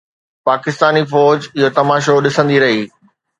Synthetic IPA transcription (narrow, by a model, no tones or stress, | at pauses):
paːkɪst̪aːnifɔːd͡ʑɪɦot̪ɐmaːʃ̬oɗɪsə̃nd̪iɾɐɦiː